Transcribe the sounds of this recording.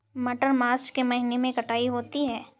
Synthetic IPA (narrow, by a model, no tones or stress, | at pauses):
mɐʈəɾmaːɾt͡ʃkemɐɦɪnemẽkɐʈaːiɦoːt̪iɦɛː